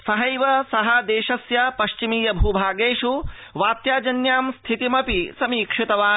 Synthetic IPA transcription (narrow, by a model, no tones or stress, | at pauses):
sɐɦɐjʋɐsɐɦɐd̪eːʃɐsjɐpɐʃt͡ʃimiːjɐbʱuːbʱaːɡeːʂu | ʋaːt̪jaːd͡ʒɐnjaːmst̪ʰit̪imɐpisɐmiːkʂit̪ɐʋaː